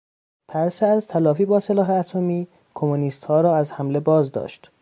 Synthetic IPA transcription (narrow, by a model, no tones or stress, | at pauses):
t̪ʰæɾseæzt̪ʰælɒːfiːbɒːselɒːɦeæt̪ʰo̞miː | kʰomuniːst̪hɒːɾɒːæzhæmle̞bɒːzd̪ɒ̰ːʃt̪